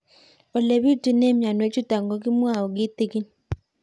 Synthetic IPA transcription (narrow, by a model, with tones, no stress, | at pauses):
o˨le˨βi˦ti˨ne˦mja˨nwe˨˦t͡ʃu˦ta˨ŋɡo˦kɪ˦mwa˦˨ɔ˨ɡɪ˦t̪ɪ˦ki˦n